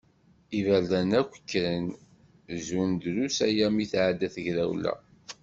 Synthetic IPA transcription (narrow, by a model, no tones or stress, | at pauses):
ivæɾðænækʷːə̥kːɾən | zund̪ɾusæjæmiθʕad̪ːæθəʝɾæwlæ̰